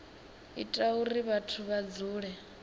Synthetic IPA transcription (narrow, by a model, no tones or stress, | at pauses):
ḭtʼauɾiβatʰuβad͡zuːɺɛ